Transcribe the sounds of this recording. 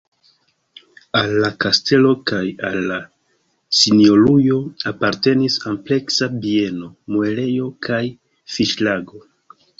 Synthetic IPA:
alːakaste̞lo̞kaja̰lːa | sinio̞lujo̞apaɾte̞nisample̞ksabie̞no̞moe̞le̞jo̞kʰaj | fiʃlaɡo̞

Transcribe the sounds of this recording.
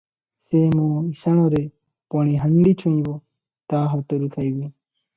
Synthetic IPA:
semɔ̃isaɽ̃ɔɾɛ | pɔɽ̃iɦəɳɖit͡ʃʰũĩbɔ | t̪aɦɔt̪ɔɾut̪ʰajbi

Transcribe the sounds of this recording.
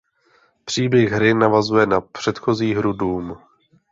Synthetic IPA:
pr̝̥iːbjɛɣɦɾɪnavazujɛnapr̝̥ɛt̪xo̞ziːɦɾuduːm

